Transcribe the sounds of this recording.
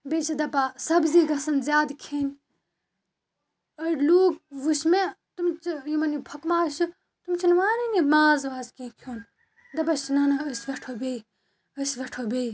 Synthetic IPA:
beːt͡ʃʰid̪ɐpasɐbziːɡɐsɐnzjaːd̪kʰeːnʲ | ɐɾluːɡ̚ʋuʃmẽt̪umt͡ʃijimɐnipʰɐkmaːʃu | t̪umt͡ʃʰinʋaːninimaːzʋaːzkẽːkʰjoːn | d̪ɐpaʃinaːnaəsʋeʈʰoːbeːi | əsʋeʈʰoːbeːi

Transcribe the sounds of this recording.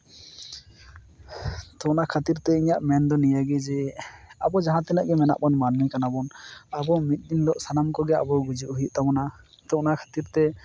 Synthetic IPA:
t̪ɔʔnakʰat̪iɾt̪ɛiɲaʔmɛnd̪ɔnijaɡɛd͡ʒɛabɔd͡ʒaɦãt̪ɛnɛʔɡɛmɛna̰ʔbanmanmikanabɔnabɔmit̪̚ˀd̪inlɔʔsanamkɔɡɛa̰bɔɡud͡ʒuʔɦiʔt̪abɔna | t̪ɔʔnakʰḁt̪iɾt̪ɛ

